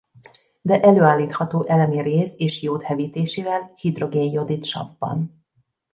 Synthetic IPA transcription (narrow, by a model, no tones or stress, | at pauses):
d̪ɛʔɛløːaːlːiːt̪hɒt̪oːʔɛlɛmireːzeːʃjoːt̪hɛviːt̪eːʃeːvɛlhid̪ro̞ɡeːnjo̞d̪it̪ʃɒ̰vbɒ̰n